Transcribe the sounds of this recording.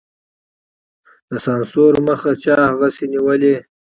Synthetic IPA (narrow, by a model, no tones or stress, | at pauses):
d̪əsɑnsoɾməxat͡ʃɑhaɣaseniwəle